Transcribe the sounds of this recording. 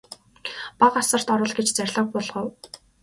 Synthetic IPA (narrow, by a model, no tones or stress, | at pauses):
paqasə̆r̥t̪ɔɾɞ̆ɮɡet͡ɕt͡særʲɮə̆q̚pɔɮʁə̆w